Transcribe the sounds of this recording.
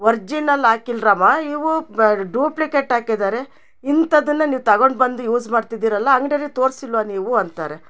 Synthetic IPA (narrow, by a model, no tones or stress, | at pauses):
ʋɐɾd͡ʒinɐlːaːkilɾaːmaːiʋuɖuːplikeʈaːkid̪aːɾe̞ | int̪ɐd̪ɐnːɐniːʋut̪ɐɡoɳɖbɐnd̪ujuːd͡ʒmaːɖt̪id̪iːɾɐlːɐːŋɡɽeɾit̪o̞ːɾsilʋaniːʋuɐnt̪aːɾe